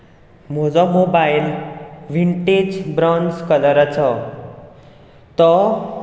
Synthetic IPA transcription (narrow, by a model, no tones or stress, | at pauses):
m̤od͡zɔmobailʋiɳʈed͡zbɾɔnskələɾət͡sʰɔ | t̪ɔ